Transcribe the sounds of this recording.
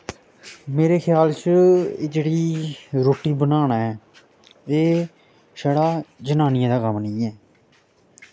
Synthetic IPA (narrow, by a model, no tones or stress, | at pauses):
meːɾeːkʰjaːlt͡ʃḛːd͡ʒeːɽiːɾoːʈiːbənaːnaːɛː | eː | ʃəːɽaːd͡ʒənaːnɪjãːd̪aːkəmnə̃ːɛː